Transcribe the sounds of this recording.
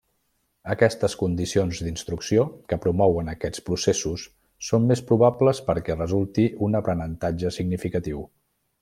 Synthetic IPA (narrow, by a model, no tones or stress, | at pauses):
əkɛst̪əskund̪isionzd̪inst̪ɾuksiokəpɾumɔwənəkɛt͡spɾusesusː | ommespɾuβapləspəɾkɛrəzulˠt̪iʔunəpɾənənt̪ad͡ʒəsiɡnifikət̪iw